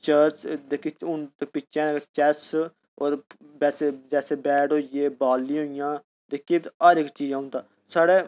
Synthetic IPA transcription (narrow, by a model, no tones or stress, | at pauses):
t͡ʃəːɾt͡ʃd̪ekiʊnt̪pɪt͡ʃẽːt͡ʃɛs | oːɾbɛːseːd͡ʒɛːseːbɛːʈɦoːeːbaːlːiːɦoːɪjãː | d̪eːkːeaːɾɪkt͡ʃiːd͡ʒãːʊ̃nt̪aː | saːɽeː